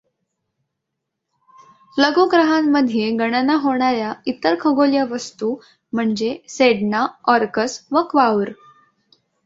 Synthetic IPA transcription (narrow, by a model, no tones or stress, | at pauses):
ləɡoɡɾəɦamːəd̪ʱijeɡəɽ̃anaɦoɳ̃aɾjait̪əɾkʰəɡoljaʋəst̪u | m̤əɳd͡zeseɽnaɔɾkəsʋəkʰʋaʋɾ